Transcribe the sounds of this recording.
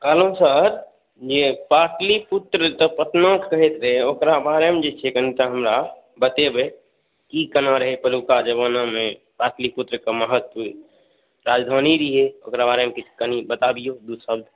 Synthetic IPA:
kaːlõsəɾ | d͡ʒepaːʈlipʊt̪ɾət̪əpət̪nãkkəɦet̪ɾɐɦeoːkɾabaːɾemẽd͡ʒet͡ʃʰekənit̪aɦəmɾa | bət̪ebe | kikənaɾəɦepəlukad͡ʒəbaːnãmẽ | paːʈlipʊt̪ɾəkaməɦət̪̚puːɾ | ɾaːd͡ʒd̪ʱaːniɾiɦeoːkɾabaːɾemẽkikənibət̪abijod̪ud̪səbd̪ʱ

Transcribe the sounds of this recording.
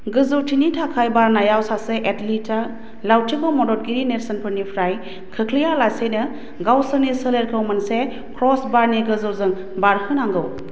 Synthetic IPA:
ɡɯzɯwtʰinitʰakʰajbaɾnajawsaseʔetlitʰa | lawtʰikɯwmɔdɔt̚ɡinineɾsɐnpʰɯɾnipʰɾaj | kʰɯkʰlijalasenɯ | ɡawsɯnisɯleɾkʰɯwmɯnse | kʰɾɔsbaɾniɡɯzɯwzɯŋ | baɾhʰɯnaŋɡɯw

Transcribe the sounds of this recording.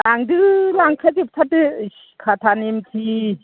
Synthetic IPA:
aŋdɯlaŋkʰetip̚t̪ʰatɯ | kʰat̪ʰanimtʰi

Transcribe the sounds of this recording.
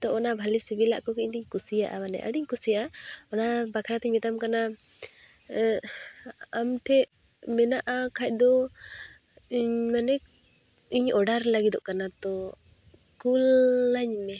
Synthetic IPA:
t̪ɔʔɔnabʱalisibila̰ʔkɔkɛɲt̪iɲkusijaʔamanɛ̰ʔa̰ɖiɲkusijaʔaɔnabakʰɾat̪ɛɲmit̪amkana | amʈʰɛʔ | mɛnaʔakʰac̚ˀd̪ɔ | iɲmanɛk | iɲɔɖaɾlaɡid̪ɔ̰ʔkanat̪ɔ | kulːaɲmɛ

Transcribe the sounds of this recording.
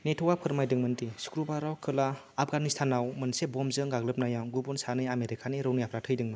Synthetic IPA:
netʰɔwapʰɯɾmajdɯŋmɯntisu̥kɾubaɾawkʰɯlaː | p̚ʰɡanistʰanawmɯnsebɔmzɯŋɡaɡlɯp̚najaŋɡubɔnsaniameɾikʰaniɾɯwnijapʰɾatʰɯjdɯŋmɯn

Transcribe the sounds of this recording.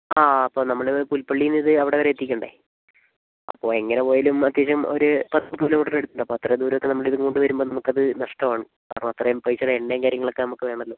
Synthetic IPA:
aːɐpːo̞ːnɐmːɐɭpulpɐɭːijunːiðɨɐʋiɽeʋɐɾeet̪ːikʲːuɳɖɐ̰ | ɐ̰pːo̞̰ːe̞ŋːɐnepoːjɐlumɐt̪ːjeːɕɐmo̞̰ɾupɐt̪ːɐmt̪uːlɐmuʈːɐneɽut̪ːuɳɖɐpːoːɐt̪rɐjd̪uːɾɐʋokːe̞nɐmːɐɭiðɨkoɳɖɨʋɐɾumboːnɐmukːɐðɨnɐʂʈɐʋaːɳɨ | ɐrɐɳɐmɐt̪rɐjumpɐjit͡ɕːɐɽeeɳɖejɐmkaːɾjɐŋːɐɭo̞kːenɐmukːɨʋe̞ːɳɐlːo̞ː

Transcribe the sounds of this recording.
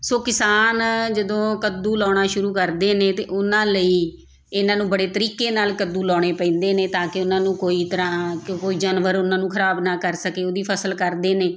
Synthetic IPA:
soːkɪsaːnd͡ʒəd̪õːkəd̪uːlɔːɽ̃aːʃʊɾuːkəɾd̪eːnẽːt̪ḛːʔʊnãːləiː | ɪnãːnũːbəɽeːt̪əɾiːkeːnaːlkəd̪ːuːlɔːɽ̃eːpɛ̃ːnd̪eːneːt̪ãːkɪʊnãːnũːkoːiːt̪əɾãːkoːiːd͡ʒaːnʋəɾʊnãːnũːkʰəɾaːbnaːkəɾsəkeːoːd̪iːpʰəsəlkəɾd̪eːneː

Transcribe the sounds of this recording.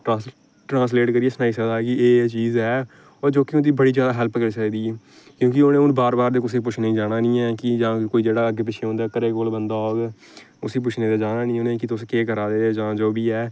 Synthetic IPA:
ʈː | ʈɾãːs̬leːʈkəɾieːsənaːiːsəd̪aːkɪeːt͡ʃiːzɛː | ɔːɾd͡ʒoːkɪʊnd̪iːbəɽiːd͡ʒjaːd̪aːɦɛlpkəɾiːsəkd̪iːɛː | kjõːkɪonẽːʊnbaːɾbaːɾd̪eːkʊseːp̬ʊt͡ʃʰneĩːd͡ʒaːnaːnĩːɛːkɪd͡ʒãːkoːiːd͡ʒeːɽaːəɡeːp̬ɪʃʰeõːnd̪aːkəɾeːkoːlbənd̪aːoːɡ | ʊsiːp̬ʊt͡ʃʰneːd̪eːd͡ʒaːnaːnĩːoːnẽːkɪt̪ʊskeːkəɾaːd̪eːd͡ʒãːd͡ʒoːbiːɛː

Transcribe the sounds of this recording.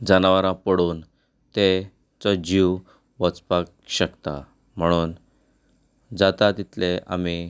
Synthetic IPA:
d͡zənaʋaɾãpəɽuːn | t̪e | t͡sɔd͡ʑiʋ | ʋɔt͡spak̚ | ɕəkt̪a̰ | m̤əɽ̃uːn | d͡zat̪at̪it̪lea̰mi

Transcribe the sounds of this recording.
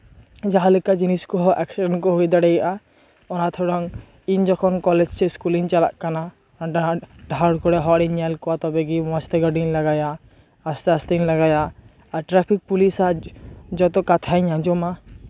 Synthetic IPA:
d͡ʒaɦalɛkad͡ʒiniskɔɦɔʔɛksiɖɛnkɔɦojd̪aɽɛjaʔa | ɔnat̪ʰɔɽɔŋ | iɲd͡ʒɔkʰɔnkɔlɛd͡ʒsɛskuliŋt͡ʃalaʔkana | ʈaɖʱaɽkɔɽɛɦɔɽiɲːɛlkɔwat̪ɔbɛɡiɔ̃st̪ɛɡɔɾɖinlaɡajaː | st̪ast̪inlaɡajaː | ɾʈɾapʰik̚pulisad͡ʒɔt̪ɔkat̪ʰaɲãd͡ʒɔma

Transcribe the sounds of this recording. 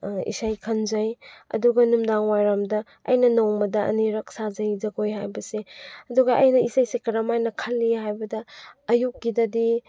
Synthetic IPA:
ḭsajkʰɐnzɐjɐ̰duɡɐnumdaŋwajɾamdɐ | ɐ̰jnɐnowmɐdɐʔɐ̰niɾɐk̚sazɐzɐɡojhajbɐseɐduɡɐʔɐjnɐisajsekɐɾamajnɐkʰɐlːihajbɐdɐːjuk̚ɡidɐdi

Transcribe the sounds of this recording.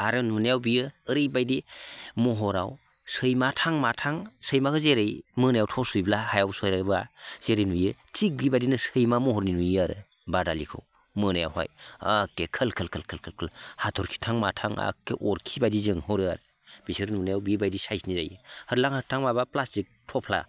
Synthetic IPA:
aɾɯnunajawbijɯɯɾɯjbajdimɔɦɔɾa̰w | sɯjmatʰaŋmatʰaŋsəjmakʰɯzeɾɯjmɯnajawtʰɔsujblahajawsɔjɾabaz̥eɾinujɯtʰik̚ɡibajdinɯsɯjmamɔɦɔɾninujaɾɯ | badalikʰɯ̰w | mɯnaja̰wha̰jakːekʰəlkʰəlkʰlkʰəlkʰəlkʰəlhatʰɔɾkʰi̥tʰaŋmatʰaŋa̰kːeʔɔɾkʰibajdizɯŋhɔɾɯa̰ɾ | b̥isɯɾnunajawbibajdisajsniza̰jɯhəɾlaŋhəɾtʰaŋmabaplastik̚tʰɔpʰla̰

